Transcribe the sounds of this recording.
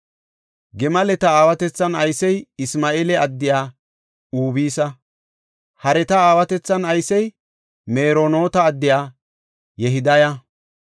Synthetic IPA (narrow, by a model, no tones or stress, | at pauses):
ɡɛmɐlɛt̪ɐaːwɐt̪ɛt͡sːɐnɐjsɛjɪsmaːʔeːlɛɐd̪ːɪjaː | uːbiːsɐ | hɐɾɛt̪ɐaːwɐt̪ɛt͡sːɐnɐjsɛj | meːɾono̞ːt̪ɐːd̪ːɪjaː | jɛɦɪd̪ɐjɐ